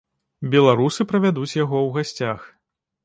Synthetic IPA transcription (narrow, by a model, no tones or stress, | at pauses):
bʲɛlˠaɾusɨpɾɐvʲad̪ut͡sʲjaɣɔwɣasʲt͡sʲax